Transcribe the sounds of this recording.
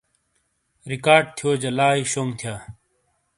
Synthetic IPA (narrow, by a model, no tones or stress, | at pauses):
ɾikaːɾɖ̚t̪ʰijoːd͡ʑɐlaːiːɕoːŋɡt̪ʰijaː